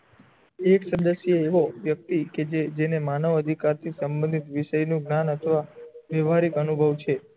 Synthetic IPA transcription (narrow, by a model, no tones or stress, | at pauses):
eksəd̪əsjeeʋoʋjək̚t̪iked͡ʒed͡ʒenemanəʋəd̪ʱikaɾt̪ʰisəmbənd̪ʱit̪ʋɪʃəjnũɡnanət̪ʰʋaʋeʋʱaɾikənubʱəʋt͡ʃʰe